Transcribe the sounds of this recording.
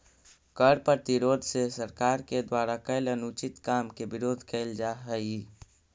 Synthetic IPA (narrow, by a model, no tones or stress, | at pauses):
kəɽpəɾt̪iɾod̪ʱsesəɾkaɾked̪waɾakəɪlənut͡ʃit̪kamkebɪɾoːd̪ʱkəɪld͡ʒaɦəi